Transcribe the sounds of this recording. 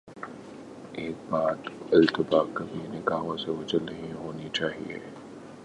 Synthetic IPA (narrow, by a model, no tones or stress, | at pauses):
eːk̚baːt̪ɪlt̪ɪbaːkɐbʱinɪɡaːʋõseʋɐd͡ʒəlːɐɦĩɦoːnit͡ʃaːɦḭḛː